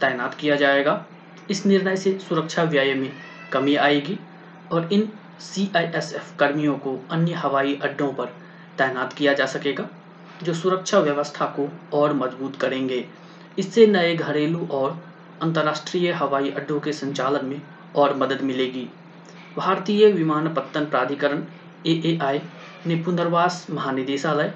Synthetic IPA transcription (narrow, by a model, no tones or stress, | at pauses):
t̪ɛːjnaːt̪kijad͡ʒaːeːɡaː | ɪsnɪɾnəjsesʊɾəkʃʰaʋjaːjəmẽ | kɐmiaːeːɡi | ɔːɾɪn | siːʔaːiʔɛsɛːfkɐɾmijõkoɐnjəɦɐʋaːiʔɐɖʱːõpɐɾ | t̪ɛːnaːt̪kijad͡ʒaːsɐkeːɡaː | d͡ʒoːsʊɾəkʃʰaʋjəʋəst̪ʰakoɔːɾmɐzbuːt̪kɐɾẽːŋɡeː | ɪsːenɐeɡʱɐɾeːluʔɔːɾ | ɐ̃nt̪əɾːaːʃʈɾiːjəɦɐʋaːiʔɐɖːõkesɐ̃ɲt͡ʃaːlənmẽ | ɔːɾmɐd̪əd̪mɪleːɡiː | bʱaːɾt̪ijəʋɪmaːnpət̪ːənpɾaːd̪ʱikəɾən | eːʔeːʔaːi | nepʊ̃nd̪əɾʋaːsmɐɦaːnɪd̪eːʃalɐe